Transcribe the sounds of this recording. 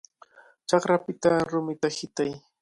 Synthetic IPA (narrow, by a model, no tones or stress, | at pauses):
t͡ʃɑχɾapɪt̪aɾʊmɪt̪ahɪt̪aj